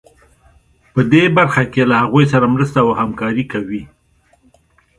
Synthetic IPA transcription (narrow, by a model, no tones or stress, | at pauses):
pəd̪ebaɾxakelahaɣujs̬aɾamɾəst̪awəhamkɑɾikawi